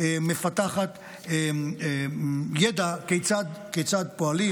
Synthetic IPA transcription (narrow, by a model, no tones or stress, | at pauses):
eme̞fat̪aχat̪ | eejed̪akejt͡sad̪ket͡sad̪poali